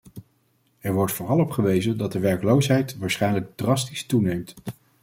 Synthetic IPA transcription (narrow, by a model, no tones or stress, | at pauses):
ɛɹʋɔɹtfʊːrɑlˠɔpχəʋejzəndɑt̚dəʋɛɹklowsɦɛjtʋaːɹsχɛjnləɡ̚drɑs̬tistunejmt